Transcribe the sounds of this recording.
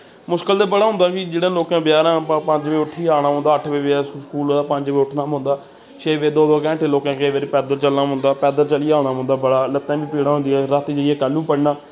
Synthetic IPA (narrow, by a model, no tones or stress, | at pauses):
mʊskəld̪eːbəɽaːɦʊ̃nd̪aːkid͡ʒeːɽãːloːkãːbjaːɾãːpəɲd͡ʒʋeːʊʈʰːiːaːɽ̃aːɦõːnd̪aːəʈʰbiːbaːskuːloːd̪aːpəɲd͡ʒʋeːʊʈʰnaːmʊ̃nd̪aː | t͡ʃeːʋeːd̪oːd̪oːkɛ̃ːɳʈeloːkãːkəʋeːɾiːpɛːd̪əɾt͡ʃəlnaːmʊ̃nd̪aːpɛːd̪əɾt͡ʃəliːaːɽ̃aːɦʊ̃nd̪aːbəɽaːlət̪ːɛ̃ːbiːpiːɽaːɦʊnd̪iɛːɾat̪id͡ʒəiɛːkəlːũːpəɽnaː